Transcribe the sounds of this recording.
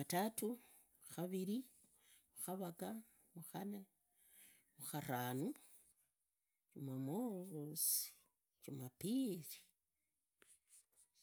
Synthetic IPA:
atatu | xaβiɾi | muxaβaka | muxane | muxaranu | t͡ʃumamoɣosi̥ | t͡ʃumapiɾi̥

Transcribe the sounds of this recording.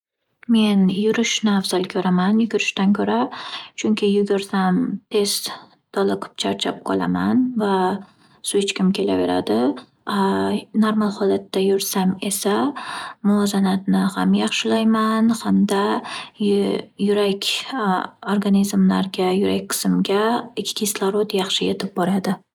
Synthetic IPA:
me̞njʊɾɪʃnafz̥alkʲʰɵɾamanjʊɡʲʊɾɪʃt̪ankʲʰɵɾat͡ʃʰʊŋkʲʰɪjʊɡʲaɾsamt̪ʰe̞st̪ | d̪̥ɒlˠɨqʰɨ̥p̚t͡ʃʰaɾt͡ʃʰa̰p̚qʰɒlˠa̰manva | sʊɪt͡ʃkʲɪmkʲʰe̞la̰ve̞̰ɾa̰d̪ɪ | noɾmalˠhɒlat̪ːajʊɾsame̞samʊɒzanat̪nɪhamjɑχʃɪlajmanhamd̪a | jʊɾakʲ | oɾɡanizmlaɾɡʲajʊɾak̚ʲqʰɨ̥sɪmɡʲaɪkʲʰːkʰʲɪslˠaɾot̪jɑχʃɪjet̪ʰɪp̚bɒɾad̪ɪ

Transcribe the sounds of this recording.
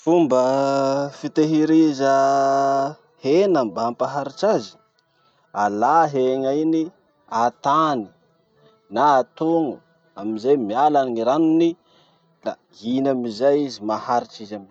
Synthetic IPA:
fumbəfit̪eɦiɾizə | henambaampaɦaɾit͡ʃazi̥ | alaɦeŋaini | at̪ani̥ | naːt̪uŋu | amizajmialanŋiɾanuni | la̰ | inamizajizimahaɾit͡ʃizamin

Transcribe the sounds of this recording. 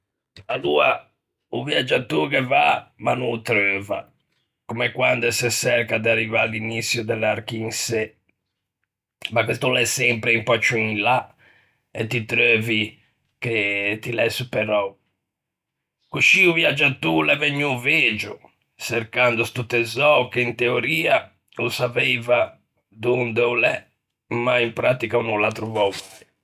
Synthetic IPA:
aluːa̰ | uvjad͡ʒːat̪ːukɛvamanut̪ɾøːva̰ | kɔmɛkwand̪ɛsɛsɛɾkad̪arːivalːinit̪sːjud̪ɛlːaɾkiinsɛ | makwɛst̪ulɛsːɛmpɾɛimpɔt͡ʃːuinla | ɛt̪ːit̪ɾøːvi | ket̪ilɛsːupɛɾɔ | kuʃiuviad͡ʒːat̪ːulɛvɛɲːuveːd͡ʒu | sɛɾkand̪ust̪ut̪ːɛzɔkeint̪eoɾiːa | usaveːva | d̪und̪ɛulɛ | maimpɾat̪ikaunulat̪ɾuvɔlt̪ɛ

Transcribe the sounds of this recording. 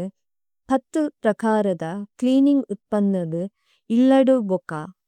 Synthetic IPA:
ɯ | pɐt̪ːɯpɾɐkaːɾɐðɐkliːnɪŋɡʊt̪̚pɐnd̪ɐðɯ | ɪlːɐɽɯbokːaː

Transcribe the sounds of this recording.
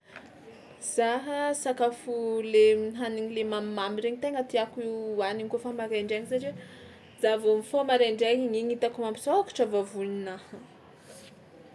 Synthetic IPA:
z̥aɦəsakafuleminɦaniɲilemamimamiɾeɲit̪eŋɡət̪iakuianiŋkofamaɾeɳɖ͡ʐeŋisaʈ͡ʂiwe | zavumifomaɾeɳɖ͡ʐeɲŋiɲit̪akumampisaakḁʈ͡ʂavavuninah

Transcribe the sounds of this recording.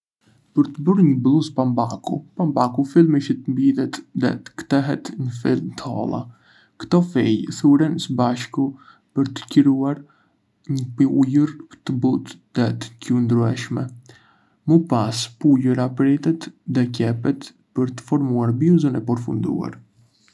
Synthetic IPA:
pəɾt̪əbəɾɲəblˠuspambakṵpambakufilˠmiʃit̪əmbiðɛt̪ðɛ̰t̪ə̥kt̪ɛɦɛt̪ɲəfḭlˠmt̪əɔ̰lˠa̰ | kt̪ɔfɛjθuɾɛnsəbaʃku | pəɾt̪ə̥cəɾuaɾ | ɲəpujəɾt̪əbut̪ðɛt̪ə̥cund̪ɾuɛʃmɛ | məpaspujuɾapɾɛt̪ɛt̪ðɛcɛpɛt̪ | pəɾt̪ə̥fɔɾmuaɾbiuzənɛpɔɾfṵnd̪ṵa̰ɾ

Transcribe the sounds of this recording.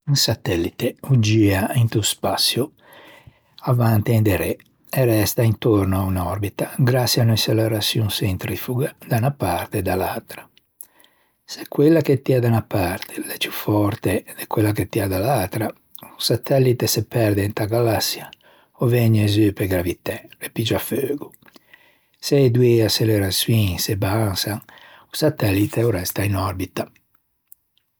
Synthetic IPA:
unsat̪ɛlːit̪eud͡ʒiaint̪uspasːjo | avant̪iind̪ɛɾɛ | ɛrɛst̪aint̪oɾnoaunɔɾbit̪aɡɾasːianojselɛɾasjunsent̪ɾifuɡad̪aunapaɾt̪ed̪alalt̪ɾḁ | se̥kwelːaket̪ːiad̪anapaɾt̪ʰe̥lɛpjufɔɾt̪ed̪ekwelːaket̪ːiad̪alalt̪ɾa | usat̪ɛlːit̪esepɛɾd̪eint̪aɡalasːja | ovɛɲezypeɡɾavit̪ɛlepid͡ʒaføːɡu | seed̪ueaseleɾaswinsebaŋsaŋ | usat̪ɛlːit̪ʰeoɾɛst̪ainɔɾbit̪a

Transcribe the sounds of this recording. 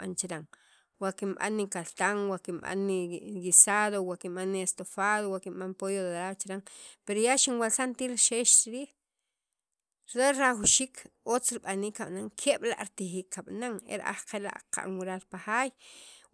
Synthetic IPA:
ɓant͡ʃiɾaŋ | wakimɓa̰nːikalt̪aŋwakimɓa̰nːiɡisaðowakinɓanːiest̪ofaðowakinɓanpojodeɾat͡ʃiɾaŋpeɾojaʃinwalsant̪iːɾʃeʃt͡ʃiɾiːχ | ɾdoɾaχwʃiːkʰ | ot͡sɾiɓaniːkːaɓnaŋkʰeɓ̥la̰ʔɾit̪iχiːkʰːaɓ̥naŋḛɾ̰ʔa̰χqela̰ʔqa̰ʔnwiɾaɾpaxaːj

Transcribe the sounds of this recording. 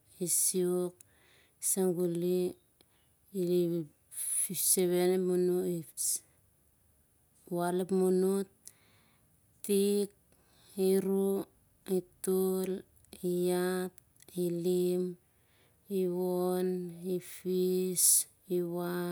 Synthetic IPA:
isiok̚ | isaŋɡuli | ili | fiseβenemunuis | walepmunut | ik̚ | iɾu | itul | ijat̚ | ilim | iwonifis | iwa

